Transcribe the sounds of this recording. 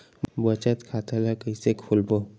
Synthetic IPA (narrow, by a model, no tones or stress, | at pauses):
bət͡ʃət̪kʰat̪ʰəlakəisekʰulbo